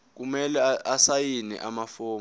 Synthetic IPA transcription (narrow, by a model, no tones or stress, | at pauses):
k̬umɛlɛasajinɛ̰ʔamafoː